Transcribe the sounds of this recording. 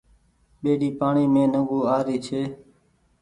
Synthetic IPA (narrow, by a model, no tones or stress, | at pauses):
ɓeːɗiːpaːɳiːmẽːnəɡuːaːɾiːt͡ʃʰeː